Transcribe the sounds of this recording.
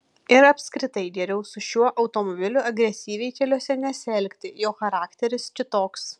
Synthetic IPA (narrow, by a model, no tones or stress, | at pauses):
ɪɾɐpʲskɾʲɪt̪ɐɪɡ̪ʲɛɾʲɛʊsʊʃʲuɔʔɐʊt̪oːmɔbʲɪlʲʊɐɡɾʲɛsʲiːʋʲɛɪkʲɛlʲuɔsʲɛnʲɛsʲɛlʲkʲt̪ʲɪjoːxɐɾɑːkt̪ʲɛɾʲɪskʲɪt̪oːks